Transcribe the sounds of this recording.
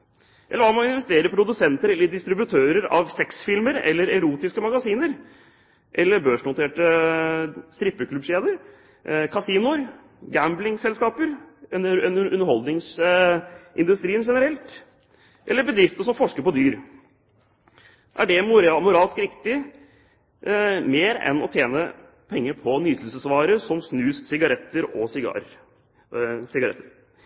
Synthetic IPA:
ʔɛ̰lːəʋɑːmɑnɪnʋɛst̪eːɾəpʰɾʊd̪ʉsɛnt̪əɾɛlːəɖ̪ɪst̪ɾɪbʉt̪ʰøːɾəɾɑ̰ʋsɛksfɪlməɾɛ̰lːəɾɛɾuːt̪ɪskəmɑɡɑsiːnəɾ | ʔɛlːəɾbøːʂnʊt̪ʰeːʈə | st̪ɾɪpːəkʰlʉbʃeːd̪əɾ | kʰɑsiːnʊɾ | ɡæmblɪŋsɛlskɑːpəɾɛnɛnʉnːəɾhɔld̪nɪŋs | ʔɪnd̪ʉst̪ɾiːnʂɛnəɾɛlt̪ | ʔɛlːəɾbəd̪ɾɪft̪əʂɔmfɔʂkəɾpɔd̪yːɾ | ʔæɖɛmʊɾɑmʊɾɑːlskɾɪkt̪ɪ | meːɾɛ̰nɔ̰t̪ʰjeːnə | pʰɛŋːəɾpʰɔnyːt̪ʰl̩səsʋɑːɾəsɔmsnʉːssɪɡɑɾɛt̪ːəɾɔsɪ̰ɾ | sɪɡɑɾɛ̰t̪ːəɾ

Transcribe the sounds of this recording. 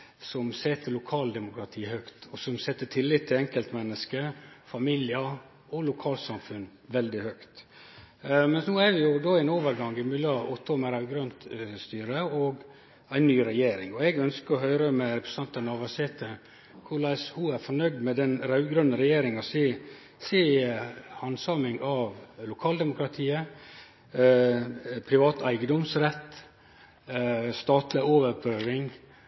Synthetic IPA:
sɔmsɛt̪ːəlʊkʰɑːld̪ɛmʊkɾɑt̪ʰiːhœkt̪ɔsɔmsɛt̪ːəʈʰɪlːɪt̪ʰːɪlɛŋkəlt̪mɛnːəskəfɑmilɪə | ɔlʊkʰɑːlt̪sɑmfʉn | ʋɛld̪ɪhœkt̪ | mɛnsnuːæɾʋɪjʊd̪oːɛnoːʋəɾɡɑŋɪmʏlɑʔɔt̪ːɔmɛɾɑʉɡɾœnt̪st̪yːɾəɔɡ | æɪnːyːɾɛjeːɾɪ̰ŋɔɛɡœnskəɾɔɦœʏɾəmɛɾɛpʰɾɛsɑnt̪ɑnɑʋɑseːt̪ʰə | kʰʊɭɑɪshuːæɾfɔɳœʏd̪mɛd̪ɛnɾɑʉɡɾœnːəɾɛjeːɾɪŋɑsɪː | seː | hɑnsɑːmɪŋɑʋlʊkʰɑːld̪ɛmʊkɾɑt̪ʰiːə | pʰɾɪʋɑːt̪ʰæɪɡəd̪ɔmsɾɛt̪ː | st̪ɑːt̪lɪoːʋəɾpøːʋɪŋ

